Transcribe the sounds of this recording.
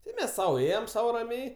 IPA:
ˈtɐɪ ˈmʲɛs ˈsɐʊ ˈeːjɛm ˈsɐʊ rɐˈmʲɛɪ

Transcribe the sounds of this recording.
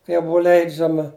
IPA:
ˈkɐɪ jɛʊ ˈbʊʊ ˈlʲɛɪd͡ʒʲɛmɐ

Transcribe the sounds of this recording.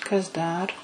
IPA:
kɐs ˈdɐr

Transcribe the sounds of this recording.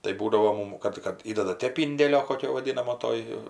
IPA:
tɐɪ ˈbuːdɐʋoː ˈmʊm ˈkɐt kɐt ˈiːdɐdɐ ˈtʲeːp ˈɪnʲdʲeːlʲoː koːˈkʲoː ʋɐˈdʲɪnɐmoː ˈtoːj

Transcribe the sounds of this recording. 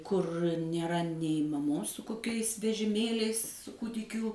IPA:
kʊr nʲeːˈrɐ nʲɛɪ mɐˈmoːs sʊ koːˈkʲɛɪs ʋʲɛʒʲɪˈmʲeːlʲɛɪs sʊ ˈkuːdʲɪkʲuː

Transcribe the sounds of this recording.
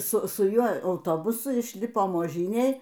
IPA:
ˈsʊ sʊ ˈjuɔ ɐʊˈtoːbʊsʊ ɪʃʲˈlʲɪpoːm oːˈʒʲiːnʲeːj

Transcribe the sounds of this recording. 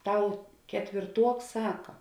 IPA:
ˈtɐʊ kʲɛtʲʋʲeːrˈtuɔks ˈsɑːkɐ

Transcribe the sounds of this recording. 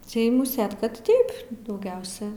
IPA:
ˈtɐɪ mʊˈsʲeːt ˈkɐt ˈtɐɪp dɐʊˈɡʲɛʊsʲɛ

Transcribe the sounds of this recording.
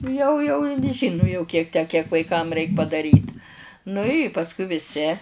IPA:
jɛʊ jɛʊ ɪn ˈʒʲiːnʊ jɛʊ ˈkʲiɛk ˈtʲæː kʲiɛk ʋɐɪˈkɐm ˈrʲɛɪk pɐdɐˈrʲiːt nʊ ɪ pɐsˈkʊɪ ʋʲɪˈsʲɪ

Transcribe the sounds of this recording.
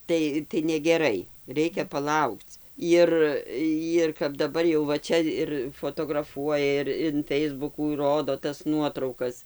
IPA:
ˈtɐɪ tɐɪ nʲɛɡʲɛˈrɐɪ ˈrʲɛɪkʲɛ pɐˈlˠɐʊkt͡s ˈɪr jɪr kɐp dɐˈbɐr jɛʊ ʋɐ ˈt͡ʃʲɛ ɪr foːtoːɡrɐˈfuɔjɛ ɪr ɪn ˈfʲɛɪzbʊkuː ˈroːdoː tɐs ˈnuɔtrɐʊkɐs

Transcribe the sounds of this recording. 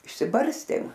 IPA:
ɪʃʲsʲɪˈbɐrʲsʲtʲeːm

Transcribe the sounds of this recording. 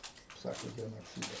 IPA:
kɐɪp ˈsɑːkoː ɡʲɛnoːˈt͡sʲiːdɐs

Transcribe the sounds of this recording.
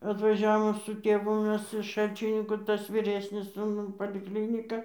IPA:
ɐtʋɐˈʒʲæːʋoːm sʊ ˈtʲeːʋʊ ˈmʲɛs ɪʃ ˈʃɐlʲt͡ʃʲɪnʲɪŋkuː ˈtɐs ʋʲiːˈrʲæːsʲnʲɪs suːˈnuː pɐlʲɪkˈlʲiːnʲɪkɐ

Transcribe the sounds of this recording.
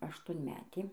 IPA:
ɐʃtuɔnʲˈmʲæːtʲeː

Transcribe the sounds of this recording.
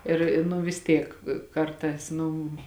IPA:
ˈɪr ɪ nʊ ʋʲɪs ˈtʲiɛk ˈkɐrtɑːs ˈnʊ

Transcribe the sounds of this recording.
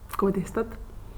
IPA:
ˈkoː ˈdʲeːstɐt

